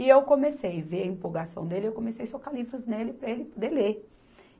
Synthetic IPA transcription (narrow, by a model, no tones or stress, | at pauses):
ɪewkõmesejveɾɐĩpoɡasɐ̰̃w̃d̪elɪewkõmesejsokalivɾʊznelɪpɾɐelɪpod̪ele